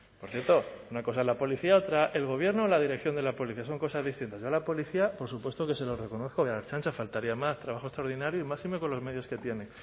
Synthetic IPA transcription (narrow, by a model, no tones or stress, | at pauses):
po̞ɾθje̞ɾt̪o̞unako̞saezlapo̞liθiao̞t̪ɾaʔe̞lɣ̞o̞β̞je̞ɾnoːlað̞iɾe̞k̚θjo̞nd̪e̞lapo̞liθiaso̞ŋko̞sazðist̪int̪azʝoalapo̞liθiapo̞ɾsupwe̞st̪o̞ke̞se̞lo̞re̞ko̞noθkoalat͡ʃant͡ʃafalt̪aɾiamast̪ɾaβaxost̪ɾaoɾðinaɾjoimasimeko̞nlo̞zme̞ðjo̞ske̞t̪je̞ne̞